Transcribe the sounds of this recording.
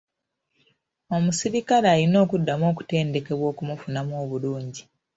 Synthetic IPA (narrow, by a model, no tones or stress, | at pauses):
o̞musiɾikalaːlino̞ːkudːamo̞ːku̥te̞ːnde̞ke̞βwo̞ːkumufunamoːβuluːɲɟi